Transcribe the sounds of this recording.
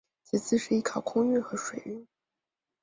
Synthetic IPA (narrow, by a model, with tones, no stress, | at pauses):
t͡sʰɹ̩˨˩t͡sʰɹ̩˥˧ʂɻ̩˥˧i˥˩kʰɑ˨˩ʊkʰʊ˥ŋy˥˩nxɤ˧˥ʂwe˨˩ɪy˥˩n